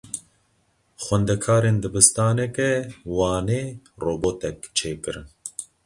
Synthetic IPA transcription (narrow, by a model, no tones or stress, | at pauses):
xwɛnd̪ɛkʰɑːɾeːnd̪ɨbɨst̪ɑːnɛkɛwɑːneː | roːboːt̪ɛk̚t͡ʃʰeːkɨɾɨn